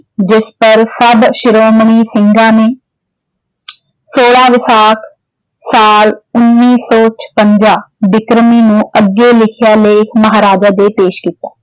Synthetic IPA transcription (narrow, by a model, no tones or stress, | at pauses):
d͡ʒɪspəɾsəbʃɪɾoːməɳiːsɪ̃ŋɡãːneː | soːɽaːʋɪsaːkʰ | saːlʊnːiːsɔːt͡ʃʰə̥pəɲd͡ʒaːbɪkɾəmiːnũːəɡːeːlɪkʰɪjaːleːkʰməɦaːɾaːd͡ʒaːd̪eːpeːʃkiːt̪ḁː